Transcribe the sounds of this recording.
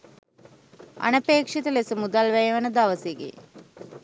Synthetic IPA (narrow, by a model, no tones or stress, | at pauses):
a̰nəpeːkʂit̪əlesəmud̪alʋæjeʋənəd̪aʋəseɡḛː